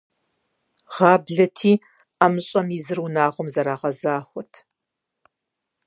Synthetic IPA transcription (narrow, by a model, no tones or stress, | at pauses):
ʁɑːbɮɐtʰiː | amɨɕʼɐmiːzɨrunaːʁʷʊmzɐɾaːʁɐzaːxʷɔtʰ